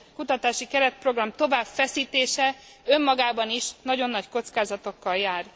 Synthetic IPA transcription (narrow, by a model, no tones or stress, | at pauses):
kut̪ɒt̪aːʃikɛɾɛt̪̚pro̞ɡrɒmt̪o̞vaːbfɛsiːt̪eːʃɛ | ø̞mːɒɡaːbɒniʃnɒɟo̞nːɒcko̞t̪skaːzɒt̪o̞kːɒljaːr